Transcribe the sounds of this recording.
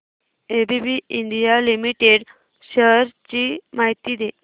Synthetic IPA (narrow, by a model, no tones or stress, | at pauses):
ebibiiɳɖijalimiʈeɽ | ɕəɾt͡ɕimaɦit̪id̪e